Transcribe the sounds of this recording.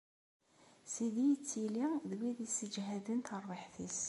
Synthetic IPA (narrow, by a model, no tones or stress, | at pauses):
siðijət͡sːiliðwiðisəd͡ʒɦæðənt̪ərˤːəħθis